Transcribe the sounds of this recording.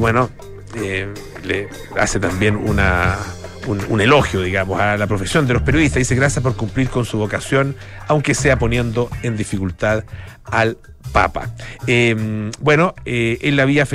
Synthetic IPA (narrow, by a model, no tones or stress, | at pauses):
βweno | e | le | a̰set̪ambjenṵna | unṵne̞lo̞xjoðiɣamosalapɾo̞fesjo̞nd̪e̞lopeɾjo̞ðiht̪aðiseɣɾasjapo̞ɾkumpliɾko̞nsuβo̞kasjo̞n | awŋkeseapo̞njend̪o̞end̪ifikult̪aðal | pa̰pa̰embwe̞noeelːaβiafe